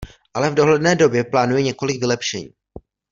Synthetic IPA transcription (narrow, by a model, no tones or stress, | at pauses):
ʔalɛvdo̞ɦlɛdnɛːdo̞bjɛplaːnujɛɲɛko̞lɪɡvɪlɛpʃɛ̰ɲiː